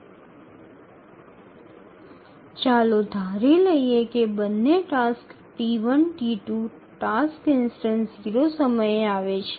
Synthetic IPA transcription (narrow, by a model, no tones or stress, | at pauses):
t͡ʃalod̪ʱaɾeləiekebənːeʈask | ʈiʋənʈiʈu | ʈaskɪnsʈənziɾosəməjeaʋet͡ʃʰe̥